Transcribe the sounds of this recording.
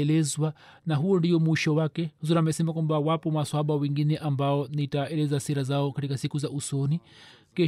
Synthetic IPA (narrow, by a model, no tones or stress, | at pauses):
ɛlɛzwanaɦuɔndijɔmuiʃɔwakɛzɔnamɛsɛmak̬wambawapɔmaswɔaɓawɛŋɡinɛʔambaɔnitaɛlɛzasiɾazaɔkatikasikuzaʔusɔnikɛ